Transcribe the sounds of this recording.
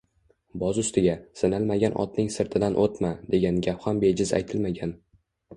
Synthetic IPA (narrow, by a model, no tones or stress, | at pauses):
bɒzʊst̪ɪɡʲasɪnalmaɡʲanʔɒ̰t̪nɪŋsɪɾt̪ʰɪd̪anʔot̪mad̪e̞ɡʲanɡʲapχɒnbe̞d͡ʒɪza̰jt̪ʰɪlmaɡʲan